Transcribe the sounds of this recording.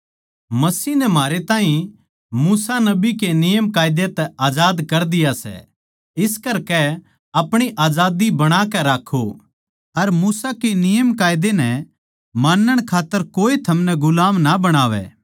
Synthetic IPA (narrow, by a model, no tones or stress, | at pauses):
mɐsiːnɛmaːɾet̪ãːɦĩ | muːsanɐbikenɪjəmkaːɪd̪et̪ɛaːd͡ʒaːd̪kɐɾd̪ɪjasɛ̰ | ɪskɐɾkɛ | ɐpɽ̃iʔaːd͡ʒaːd̪ibɐɽ̃aːkɛɾaːkʰːo̰ | ɐɾmuːsakenɪjəmkaːjd̪enɛ | maːnːəɽ̃kʰaːt̪ːəɾkoːit̪ʰɐmnɛɡʊlaːmnabɐɽ̃aːʋɛ̰